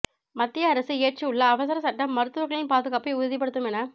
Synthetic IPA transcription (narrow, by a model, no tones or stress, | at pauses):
mɐt̪ːɪjɐɐɾɐsɯeːʈ̚t͡ʃːɯʊɭːɐːʋɐsɐɾɐsɐʈːɐmːɐɾɯt̪ːɯʋɐɾɣɐɭɪnpaːðɯɣaːpɐɪʊðɐðip̬ːɐɽɯt̪ːɯmɛnːɐ